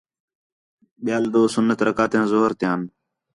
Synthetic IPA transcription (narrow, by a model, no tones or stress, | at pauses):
ɓɪjaːld̪oːsʊnːət̪ɾəkaːt̪jãːzoɦəɾt̪ɪjãːn